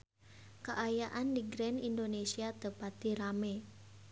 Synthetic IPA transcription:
kəʔajaʔandiɡɾɛnindonesiat̪əpat̪iɾame

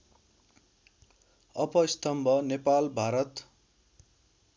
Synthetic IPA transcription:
ʌpʌist̪ʌmbʱʌnepalbʱaɾʌt̪

